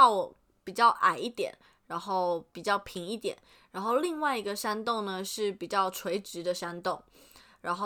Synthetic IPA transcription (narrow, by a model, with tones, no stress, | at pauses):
ɑ˥˩ʊwɔ˨˩ | pi˨˩t͡ɕjɑ˥˩ʊʔa̰˨˩ɪi˥˩t̪jɛ̰˨˩˦n | ɻa˧˥nxo˥˩ʊpi˨˩t͡ɕjɑ˥˩ʊpʰi˧˥ŋi˥˩t̪jɛ̰˨˩˦n | ɻa˧˥nxo˥˧ʊli˥˧ŋwa˥˩ɪi˧˥ɡə˧ʂa˥nt̪o˥˩ŋnə˩ʂɻ̩˥˩pi˨˩t͡ɕjɑ˥˩ʊʈ͡ʂʰwe˧˥ɪʈ͡ʂɻ̩˧˥d̪ə˧ʂa˥nt̪o˥˩ŋ | ɻa˧˥nxo˥˧